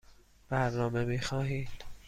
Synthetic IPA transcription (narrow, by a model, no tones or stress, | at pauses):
b̥æɾnɒːme̞miːxɒːɦiːd̪̥